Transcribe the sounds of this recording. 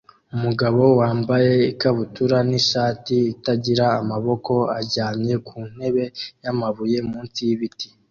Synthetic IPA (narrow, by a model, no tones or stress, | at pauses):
umuɡaβo̞waːmbaje̞ikaβutuɾaniʃaːtiːtaɟiɾaːmaβo̞ko̞aɾɟaːmɲe̞kʰuːn̥he̞βe̞jamaβuje̞muːnt͡sijiβiti̥